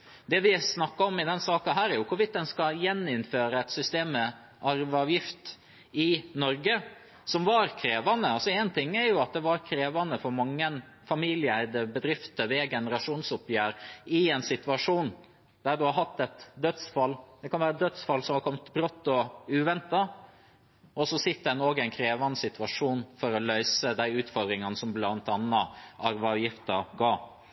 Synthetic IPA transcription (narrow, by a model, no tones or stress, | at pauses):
d̪ɛʋɪsnɑkːɑɔmɪd̪ɛnsɑːkɑnɦæːɾæɾjʊkʰʊɾʋɪt̪̚d̪ɛnskɑjɛnːɪnføːɾəɛt̪sʏst̪eːmə | ʔɑɾʋɑːʋjɪft̪ | ɪnɔɾɡə | sɔmʋɑɾkʰɾeːʋɑnəɑlsɔɛnt̪ʰɪŋːæɾjʊɑt̪̚d̪ɛʋɑɾkʰɾeːʋɑnəfɔɾmɑŋːən | fɑmiːlɪəæɪd̪əbəd̪ɾɪft̪əʋɛɡɛnəɾɑʂuːnsʊpjæːɾɪɛnsɪt̪ʋɑʂuːn | d̪æɖ̪ʉhɑɾɦɑt̪ːɛt̪d̪œt̪sfɑlːd̪ɛkʰɑnʋæːɾəd̪œt̪sfɑlːsɔmhɑɾkʰɔmt̪bɾɔt̪ːɔʉːʋɛnt̪ɑ | ʔɔsɔsɪt̪ːəd̪æɛnoːɡæɪnkʰɾeːʋɑnəsɪt̪ʋɑʂuːnfɔɾɔlœʏsəd̪æɪʉːt̪fɔd̪ɾɪŋɑnəsɔmblɑnt̪ɑnːɑʔɑɾʋɑʋjɪft̪ɑɡɑː